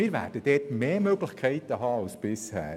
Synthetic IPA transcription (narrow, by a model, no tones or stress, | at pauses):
ɪːɾvæ̰ːɾd̥əd̥ɛːtmeːmøɡlɪçkʰɛɪt̪əɦɑːɑʊsb̥ɪshæ̰ː